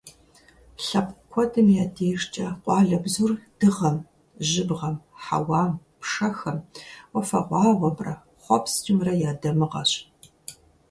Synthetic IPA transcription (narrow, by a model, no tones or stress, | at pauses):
ɬɐp̚ʼkʷʰɔdʰɐmjaːdʰeːʂt͡ʃʼɐqʷʼɑːɮɐbzurd̥ɨʁɐm | ʑɪbʁɐmħa̰wɑːmpʂɐxɐmwɔfɐ̰ʁʷɑːʁʷɐbrɐ̰ | χʷɔpst͡ʃʼɪmrɐjaːdɐmɨʁɐ̰ɕʼ